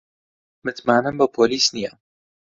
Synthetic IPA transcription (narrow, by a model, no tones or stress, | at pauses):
mɨt̪maːnɨmbɐpʰoːliːsnijɐ